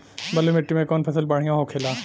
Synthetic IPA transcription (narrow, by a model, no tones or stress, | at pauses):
bɐlomɪʈːimẽkɔːnpʰɐsəlbaɽ̤ijãɦokʰeːlaː